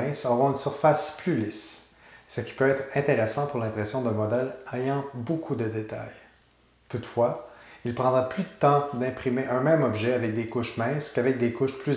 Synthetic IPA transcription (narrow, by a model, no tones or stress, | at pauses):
ɛ̃sɔʁɔ̃ynsyʁfasplylis | səkʲi̥pøɛːt̪χɛ̃t̪eʁesɑ̃puʁlɛ̃pʁesjɔ̃d̪ɛ̃mɔd̪ɛlɛjɑ̃bokʰud̪əd̪et̪a̰j | t̪ut̪fwailpʁɑ̃d̪ʁaplyd̪ət̪ɑ̃d̪ɛ̃pχimeʔɛ̃mɛ̃mɔbʒɛavɛk̚d̪ekʊʃmɛ̃skavɛk̚d̪ekʊʃply